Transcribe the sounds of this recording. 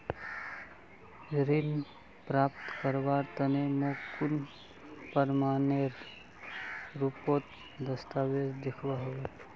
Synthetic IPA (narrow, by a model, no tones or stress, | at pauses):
ɾin | pɾapt̪kəɾʋaɾt̪əneməkun | pəɾmaneɾ | ɾupot̪ | d̪əst̪aʋeɾd̪ikʰʋaɦəʋe